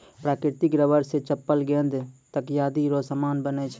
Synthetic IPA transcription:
pɾaːkɾɪɾt̪ɪkɾəʋəɾset͡ʃəpːəlɡẽnd̪t̪əkjaːd̪iɾoːsəmaːnbənet͡ʃʰ

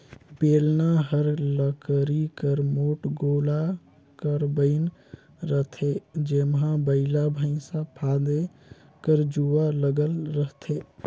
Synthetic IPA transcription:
beːlnaɦəɾləkɾikəɾmoːʈɡoːla | kəɾbəɪn | ɾət̪ʰed͡ʒemɦãbəɪlabʱəɪsãpʰad̪e | kəɾd͡ʒualəɡəlɾəɦt̪ʰe

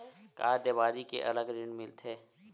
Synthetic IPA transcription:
kaːɾd̪eːbaːɾikḛʔɐ̰ləɡɾɪɳmɪlt̪ʰeː

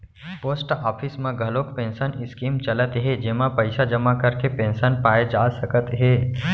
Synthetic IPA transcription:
poːsʈaːpʰɪsmẽɡʱɐlokpẽːnsənɪskiːmt͡ʃɐlət̪ɦɛd͡ʒɪɦmãpəɪsad͡ʒɐmakɐɾkepẽːnsənpaːed͡ʒaːsɐkət̪ɦɛː

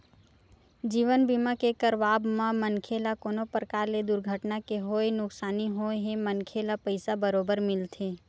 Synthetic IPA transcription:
d͡ʒiːʋənbiːmakekəɾʋaːbmãmənkʰeːlakoːnopɾəkaːɾled̪ʊɾɡʱəʈnakeɦoːenʊksaːniɦoɦemənkʰelapəɪsabəɾoːbəɾmɪlt̪ʰeː

